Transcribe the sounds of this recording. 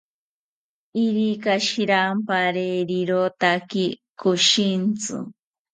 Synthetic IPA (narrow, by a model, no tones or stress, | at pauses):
iɾikaʃiɾampaɾeɾiɾot̪aki | kuʃint͡sɨ̰